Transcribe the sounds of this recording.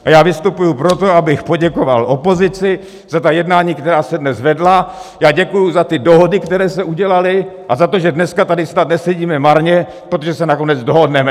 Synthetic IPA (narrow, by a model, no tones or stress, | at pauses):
ʔajaːvɪst̪upujupɾo̞t̪o̞abɪxpo̞ɟɛko̞va̰lʔo̞po̞zɪt͡sɪ | z̥at̪ajɛdnaːɲiːkt̪ɛɾaːsɛdnɛzvɛdlajaːɟɛkujuzat̪ɪdo̞ɦo̞dɪkt̪ɛɾɛːsɛʔuɟɛlalɪʔazat̪oʒɛdnɛskat̪adɪsnat̪̚nɛsɛɟiːmɛmaɾɲɛ | pɾot̪oʒɛsɛnako̞nɛd͡zdoɦo̞dnɛmɛ